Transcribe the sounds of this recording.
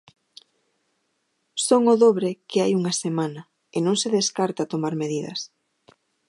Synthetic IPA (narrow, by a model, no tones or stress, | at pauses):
soŋʊðoβɾekɪajuŋɐsemanɐ | ɪnõŋseðeskaɾt̪at̪omaɾmeðiðɐ̰s